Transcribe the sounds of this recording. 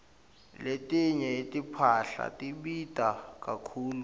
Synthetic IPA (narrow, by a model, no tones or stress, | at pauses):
letʼiɲɛetʼipʰaɬa̰tʼiɓitʼakʼakʰuːlu